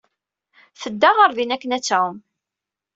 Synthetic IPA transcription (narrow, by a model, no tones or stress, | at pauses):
θəd̪ːaʁaɾðinækːənæt͡sːæwəm